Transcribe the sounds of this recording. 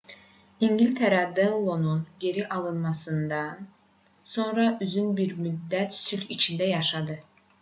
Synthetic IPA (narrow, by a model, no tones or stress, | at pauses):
iɲɟilʲt̪ʰeɾɑd̪elˠːo̞nunɟe̞ɾiʔɑlˠɯnmɑsɯnd̪ɑn | so̞nɾɑʔyzynbiɾmyd̪ːæt̪sylit͡ʃʰind̪æjɑʃɑd̪ɯ